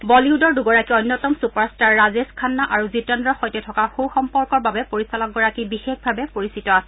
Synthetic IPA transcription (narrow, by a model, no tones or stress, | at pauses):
bɔliudɔɹduɡɔɹakiɔjnːɔtɔmsupaɹstaɹːazeskʰanːaʔaɹuzitɔndɹɔxɔjtɛtʰɔkaxowxɔmpɔɹkɔɹbabɛpoɹisalɔɡɔɹakibixexbʱabɛpoɹisitɔasɛ